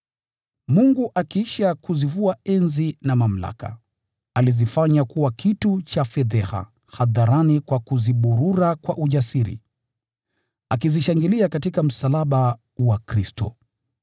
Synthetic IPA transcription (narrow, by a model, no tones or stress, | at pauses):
muŋɡuʔakiiʃakuzivuaɛnzinamam̩la̰ka̰ | alizifaɲakuwakʰitut͡ʃafɛðɛha̰ | haðaɾanikwakuziɓuɾuɾakwaʔuʄasiɾḭ | akiziʃaŋɡiliakatikam̩salaɓa | wakɾistɔ̰